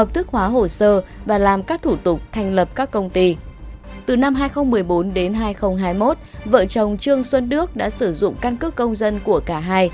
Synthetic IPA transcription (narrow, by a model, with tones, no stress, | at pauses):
ə˨˩p̚t̪ʰɨ˦˥k̚hwaː˨˦ɦo˨˩səː˧vaː˨˩laː˨˩mkaː˦˥k̚t̪ʰu˧˩t̪ʊ˨˩k͡p̚t̪ʰɛ˨˩jŋ̟lə˨˩p̚kaː˦˥kːə˧wŋ͡mt̪i˧t̪ɨ˨˩na˧mɦaː˧jxə˧wŋ͡mmːɨ˨˩əjɓo˨˦nɗe˨˦nɦaː˧jxə˧wŋ͡mɦaː˧jmo˦˥t̚və̰ː˧˨t͡ɕə˨˩wŋ͡mt͡ɕɨ˧əŋswə˧nɗɨ˦˥ək̚ɗa̰ː˧˥sɨ˧˩zʊ̰˧˨ŋ͡mka˧nkəː˦˥kkə˧wŋ͡mzə˧nku˧˩əkaː˧˩ɦaː˧j